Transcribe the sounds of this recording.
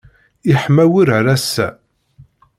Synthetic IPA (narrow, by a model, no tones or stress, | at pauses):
ɪħmæwiɾɾæsːæ̰